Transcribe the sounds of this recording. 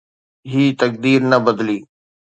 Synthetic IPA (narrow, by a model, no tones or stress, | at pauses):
ɦiːt̪ək̚d̪iːɾnɐbəd̪liː